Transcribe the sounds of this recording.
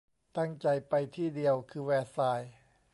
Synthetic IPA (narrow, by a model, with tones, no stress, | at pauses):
t̪a˥˩ŋt͡ɕa˧jpa˧jt̪ʰiː˥˩di˧əwkʰɯː˧wɛː˧˩t̚saː˧j